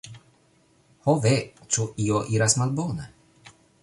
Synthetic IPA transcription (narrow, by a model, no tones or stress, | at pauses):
hɔvet͡ʃuʔioʔiɾasmalbonɛ